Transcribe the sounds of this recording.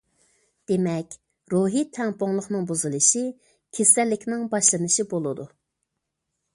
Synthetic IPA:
d̪̥emɛkʲ | ɾoɦit̪ʰɛmpoŋlˠʊχnɨŋbuzɨlˠɨʃi | kʲʰesɛlːɪkʲnɪŋbɑʃlˠɨnɨʃibolˠɨd̪u

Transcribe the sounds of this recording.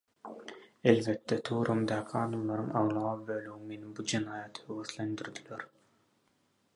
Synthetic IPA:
elβet̪ːet̪ʰuːɾʔɑmd̪ɑːkʰiɑːd̪ɑmlˠɑɾɯŋɑwlˠɑbøːlʲyɣyŋme̞nimbud͡ʒenɑːjɑt̪høɣøθlʲend̪yɾd̪yleɾ

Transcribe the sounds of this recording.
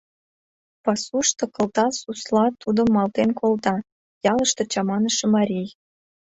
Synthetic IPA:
pɑsuʃt̪ŏkɤ̆lt̪ɑsuslˠɑt̪ud̪ə̆mːɑlt̪enkʰolt̪ɑ | jɑlə̆ʃt̪ŏt͡ɕɑmɑnəʃemɑɾʲij

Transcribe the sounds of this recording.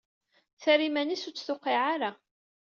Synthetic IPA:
θæɾimænisut͡sːθʊqːiʕaɾa

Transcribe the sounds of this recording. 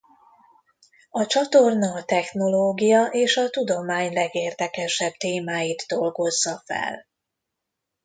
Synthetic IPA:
ɒt͡ʃɒt̪ornɒːt̪ɛxno̞loːɡijɒʔeːʃɒt̪ud̪o̞maːɲlɛɡeːrd̪ɛkɛʃɛb̚t̪eːmaːjid̪ːo̞lɡo̞zːɒfɛ̰l

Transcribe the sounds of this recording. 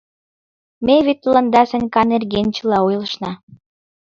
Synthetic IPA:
mʲeβet̪ːlɑnd̪ɑsɘ̆nʲkɑnerɡenʲt͡ɕə̆lɑojlˠɤ̆ʃnɑ

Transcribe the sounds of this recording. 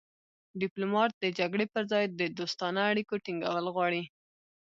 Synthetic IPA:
ɖɪplomɑt̪̚d̪əd͡ʒaɡɽepəɾzɑjd̪əd̪ost̪ɑnaːɽikoʈiŋɡa̰wəlɣwɑɽi

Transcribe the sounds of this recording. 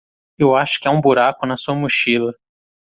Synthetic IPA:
ewaʃʊ̥kɪɛũbuɾakʊnɐsuɐmuʃilɐ

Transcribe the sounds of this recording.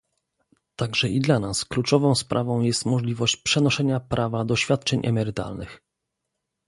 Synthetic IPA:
t̪aɡʐɛʔid̪lanasklut͡ʂɔvɔ̃w̃spɾʔavɔ̃w̃jɛst̪mɔʐlʲivɔɕt͡ɕpʂɛnɔʂɛɲapɾʔavad̪ɔɕfʲjat̪̚t͡ʂɛɲʔɛ̰mɛɾɘt̪a̰lnɘ̰x

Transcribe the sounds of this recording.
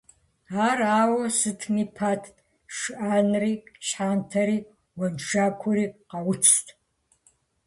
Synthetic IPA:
aːraːwɐsɨtʰnipʰaːtʰ | ʂʔanriːɕħaːntʰɐɾiː | wɐnʈ͡ʂaːkʷʰɔɾiːqɑwʊt͡sʰtʰʼ

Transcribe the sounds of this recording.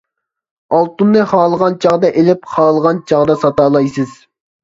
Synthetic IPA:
ɑlˠt̪unːɨχɑːlˠəʁɑnt͡ʃʰɑʁd̪ɑʔelɪpχɑːlˠəʁɑnt͡ʃʰɑʁd̪ɑsɑt̪ɑːlˠɑjsɨz̥

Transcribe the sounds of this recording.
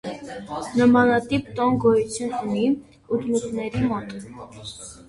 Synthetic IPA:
nəmɑnɑt̪ipt̪ɔnɡɔjut͡sʰjununi | ut̪lut͡sʰnɛɾimɔt̪

